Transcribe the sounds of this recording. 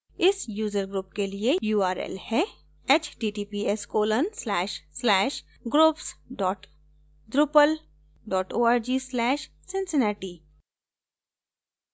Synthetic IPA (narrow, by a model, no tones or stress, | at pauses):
ɪsjuːzəɾɡɾuːp̚keliejuːaːɾɛ̰ːlhɛ | et͡ʃʈiːʈiːpiɛskoːlənslɛːʃslɛːʃ | ɡɾuːpsɖɔːʈ | d̪ɾʊpəl | ɖɔːʈoːaːɾd͡ʒiːslɛːʃ | sɪ̃nsɪnɛːʈiː